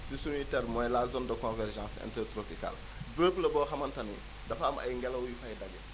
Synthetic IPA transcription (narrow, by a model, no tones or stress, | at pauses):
sisunitɛɾmɔɛlazɔndəkɔ̃nvɛɾʒãːsɛ̰̃ntɛɾtɾopika̰l | bəːplɐbɔːxɐmɐntɐnḭ | dɐfama̰jŋɡɛlɐwujufajdaɡɛ